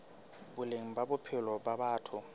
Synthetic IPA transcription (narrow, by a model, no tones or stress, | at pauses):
bʊleŋ̩babʊpʰɪlɔbabaːtʰʊ